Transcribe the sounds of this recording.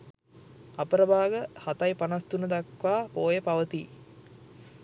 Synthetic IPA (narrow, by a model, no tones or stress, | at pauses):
ɐpəɾəbaːɡəhat̪ɐjpanɐst̪unəd̪ɐkʋaːpoːjəpaʋət̪iː